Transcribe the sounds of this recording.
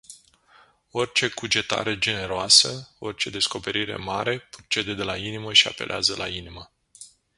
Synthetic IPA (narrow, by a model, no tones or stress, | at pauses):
o̞rʲt͡ʃe̞kud͡ʒe̞t̪a̰ɾe̞d͡ʒe̞ne̞ɾoasəo̞̰rʲt͡ʃe̞d̪e̞sko̞pe̞ɾiɾe̞̰maɾe̞pɾot͡ʃe̞d̪e̞d̪e̞lainiməʃia̰pe̞̰lʔeazəlʔa̰inimə